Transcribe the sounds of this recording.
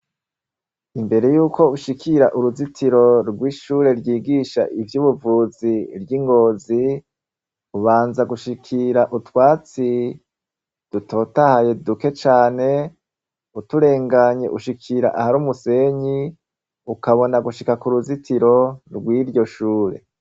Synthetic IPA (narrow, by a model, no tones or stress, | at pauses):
imbe̞ɾe̞juːkʰo̞uʃikʰiɾaʔuɾuzitʰiɾo̞ɾɡwiːʃuɾe̞ɾjiːɡiːʃa̰ʔivjuːβuvuziɾjiŋɡo̞ːzi | uβaːnzaɡuʃikʰiɾaʔutwaːt͡si | d̥utʰo̞ːtahaje̞duke̞t͡ʃaːne̞ | utuɾe̞ːŋɡaɲe̞̰ʔuʃikʰiɾa̰ʔahaɾuːmuse̞ɲi | ukaβo̞naɡuʃikakuɾuzitʰiɾo̞ɾɡwiːɾɟo̞ʃuːɾe̞̰